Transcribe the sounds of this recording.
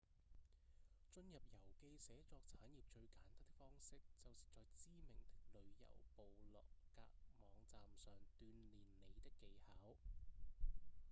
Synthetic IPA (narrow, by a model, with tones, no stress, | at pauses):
t͡ʃɵ˧njɐ˨p̚jɐ˨˩wke˧jsɛː˨˥t͡sɔː˧k̚t͡sʰaː˨˥njiː˨˩p̚t͡ʃɵ˧ɥkaː˨˩nt̪aː˥t̚t̪ɪ˥k̚fɔː˥ŋsɪ˥k̚t͡sɐ˨wsi˨t͡sɔː˨k̚t͡siː˥mɪ˨˩ŋt̪ɪ˥k̚lɵ˨˧˥ɥjɐ̰˨˩wpo˨wlɔ̰ː˨kːa̰ː˧k̚mɔː˨˧ŋt͡saː˨msœː˨ŋt̪yː˧nliː˨˩nle˨˩jt̪ɪ˥kːe˨˧jhaː˨˥w